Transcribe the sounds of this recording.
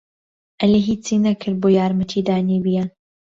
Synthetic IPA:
ʔɐleɦiːt͡sinɐkʰɨɾ̚boːjaːɾmɐt̪ʰiːd̪aːnibijɛ

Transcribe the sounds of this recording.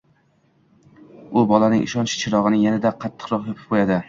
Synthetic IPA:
ʊbɒlanɪŋʔɪ̰ʃɒnt͡ʃʰɪ̥t͡ʃʰɪɾɒʁɨnɪjanad̪aqʰɑt̪ʰːɨ̥qɾɒχjopʰɪ̥p̚qʰojad̪ɪ

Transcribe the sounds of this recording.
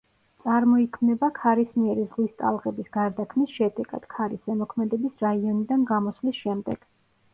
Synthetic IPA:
t̪sʼaɾmɔikʰmnɛbakʰaɾismiɛɾizʁlist̪ʼa̰lˠʁɛbisɡaɾd̪akʰmisʃɛd̪ɛɡ̥a̰d̪̥kʰaɾisɛmɔkʰmɛd̪ɛbisɾaiɔnid̪anɡamɔslisʃɛmd̪ɛ̰ɡ̥

